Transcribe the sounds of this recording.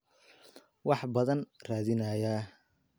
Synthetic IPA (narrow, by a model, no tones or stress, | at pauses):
wɑħbɐðɐnraːðɪnɐjaː